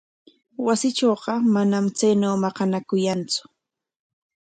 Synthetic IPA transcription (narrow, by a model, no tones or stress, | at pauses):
wasɪt͡ʃoːɢɑmanamt͡sajnoːmɑqɑnakʊjant͡sʊ̥